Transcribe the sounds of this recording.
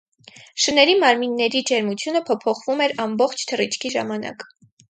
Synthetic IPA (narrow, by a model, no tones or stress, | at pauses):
ʃənɛɾimɑɾminːɛɾid͡ʒɛɾmut͡sʰjunəpʰɔpʰɔχvumɛɾɑmbɔχt͡ʃʰt̪ʰərit͡ʃʰkʰiʒɑmɑnɑ̰k